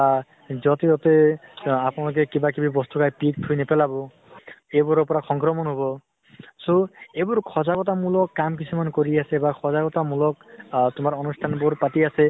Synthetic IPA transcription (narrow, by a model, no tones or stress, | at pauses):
a | zɔt̪eɔt̪eapnalok̬ekibakibibɔst̪ukajpik̚t̪ʰujnepelabɔ | ebuɾɔpɔɾaxɔŋkɾɔmɔnɦobɔ | soebuɹkʰɔzakɔtamulɔkːamk̬isʰumankoɾiasebakʰɔzakɔtamulɔkt̪ʊmaɾɔnustʰanbuɾpat̪iase